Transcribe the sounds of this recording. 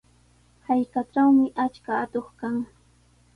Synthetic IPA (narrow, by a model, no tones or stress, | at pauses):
hajkaʈ͡ʂawmɪʔat͡ʃkaːt̪oχkaŋ